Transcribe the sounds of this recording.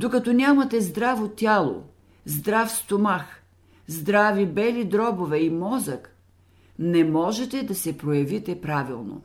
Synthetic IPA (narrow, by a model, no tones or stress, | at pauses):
d̪okɐt̪ɔnʲamɐt̪ɛzd̪ɾavot̪ʲjalˠo̰ | zd̪ɾafst̪omax | zd̪ɾavibɛlid̪ɾɔbovɛimɔzək | nɛmɔʒɛt̪ɛd̪ɐsɛpɾojɐvit̪ɛpɾavilˠno̰